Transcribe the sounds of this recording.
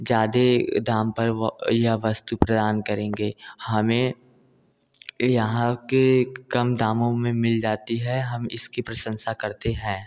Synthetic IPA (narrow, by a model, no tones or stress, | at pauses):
d͡ʒjaːd̪ed̪aːmpɐɾjɐɦʋɐst̪upɾɐd̪aːnkɐɾẽːŋɡeːhɐmẽ | jɐɦãkekɐmd̪aːmõmẽmɪld͡ʒaːt̪iɦɛɦɐmɪ̰skipɾɐsə̃nʃakɐɾt̪eɦɛ̃ː